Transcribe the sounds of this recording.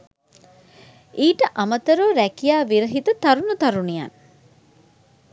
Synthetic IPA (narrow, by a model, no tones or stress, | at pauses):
iːʈəʔamət̪əɾoːɾækijaːʋiɾəɦit̪ət̪aɾunut̪aɾunija̰n